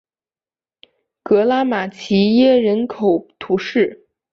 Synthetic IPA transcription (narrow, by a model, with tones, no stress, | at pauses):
kɤ˧˥la˥ma˨˩t͡ɕʰi˧˥jɛ˥˩ɻə˧˥nkʰo˨˩ʊt̪ʰu˧˥ʂɻ̩˥˩